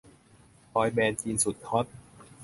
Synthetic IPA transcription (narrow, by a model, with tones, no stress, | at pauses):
pɔː˧jbɛː˧nt͡ɕi˧nsu˨˩t̪̚ʰɔ˦˥t̪̚